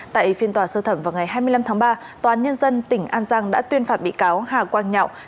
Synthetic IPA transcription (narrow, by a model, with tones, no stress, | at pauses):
t̪a̰ː˧˨jʔfi˧ənt̪waː˨˩səː˧t̪ʰə˧˩mvaː˨˩wŋa˨˩jɦaː˧jmɨ˧əjla˧mt̪ʰaː˨˦ŋɓaː˧ | t̪waː˨˦nɲə˧nzə˧nt̪ï˧˩ŋ̟ʔaː˧nzaː˧ŋɗa̰ː˧˥t̪wi˧ənfaː˨˩t̚ɓḭ˧˨kaː˨˦whaː˨˩kwaː˧nɲa̰˧˨w